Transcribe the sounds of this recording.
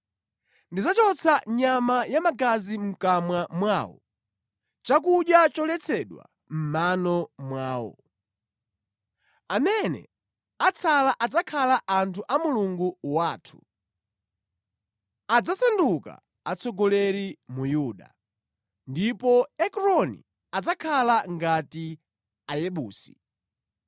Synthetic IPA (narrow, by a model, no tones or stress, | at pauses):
ndid͡zat͡ʃɔt͡sʰaɲamajamaɡazim̩kamwamwaːwɔ̰ | t͡ʃak̬uɗjat͡ʃɔlɛt͡sʰɛɗwa̰ | m̩manɔmwaːwɔ̰ | amɛnɛ̰ | at͡sʰalaʔad͡zakʰalaʔantʰuʔamuluŋɡuwaːtʰu̥ | ad͡zasɛnduka̰ | at͡sʰɔɡɔlɛɾimujuːɗa̰ | ndipɔɛkɾɔnḭ | ad͡zakʰalaŋɡati | ajɛɓuːsi̥